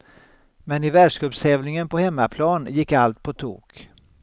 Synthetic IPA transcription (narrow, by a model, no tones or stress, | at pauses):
mɛnɪvæːɖʂkɑːpshɛːvnɪŋənpɔhɛmːapʰlɑːnjɪkːalt̪̚pʰɔt̪ʰṵːk